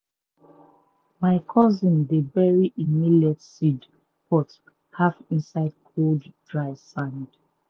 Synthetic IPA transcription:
maɪkʰɔzĩndebɛɹiʔimilɛtsid | pɔt | hafĩnsaɪd̚kʰolddɹaɪsãnd

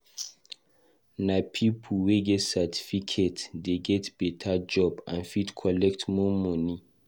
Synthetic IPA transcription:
napʰipʰulweɡɛtsatʰi̥fikʰetdeɡɛtb̥ɛtʰad͡ʒɔbã̰nfidkʰɔlɛktmɔmɔ̃ni

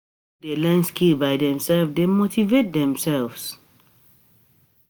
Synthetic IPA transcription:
delɛ̃nskʰibaɪdɛ̃msɛlfdemotivet̚dɛ̃msɛlvs

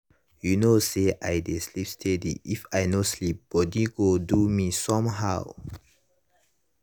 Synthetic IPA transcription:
junoseʔajdeslipstʰɛdḭʔifajnoslip̚b̥ɔdiɡodumisɔ̃mɦaw

